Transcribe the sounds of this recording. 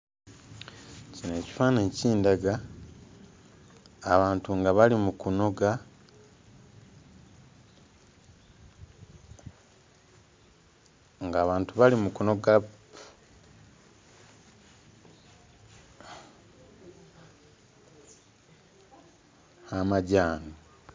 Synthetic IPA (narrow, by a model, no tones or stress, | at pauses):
cineːci̥faːneciːndaɡa | βaːntuŋɡaβalimukuno̞ɡa | ŋɡaːβaːntuβalimukuno̞ɡa | amaɟaːno